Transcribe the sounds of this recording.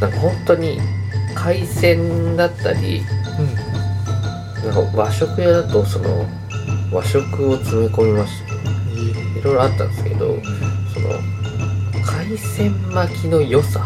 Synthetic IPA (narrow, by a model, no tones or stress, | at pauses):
nãŋkahõ̞nt̪o̞ɲ̟ikʰaisẽ̞nd̪at̪ːaɾʲḭ | nãŋka̰βaɕo̞kɯ̟jad̪at̪o̞so̞no̞̰ | βaɕo̞kɯ̟o̞t͡sɨme̞ko̞mʲimaɕɨ̥ḁ | iɾo̞jɾo̞at̪ːã̰nd̪esɨ̥ke̞d̪o̞̰so̞̰no̞̰ | kʰaisẽ̞mmakʲino̞jo̞sa